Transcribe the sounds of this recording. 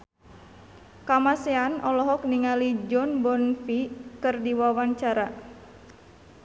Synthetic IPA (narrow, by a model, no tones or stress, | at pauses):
kamaseanɔlɔɦɔk̚niŋalid͡ʒɔnbɔnfikɨrdiwawaɲt͡ʃaɾa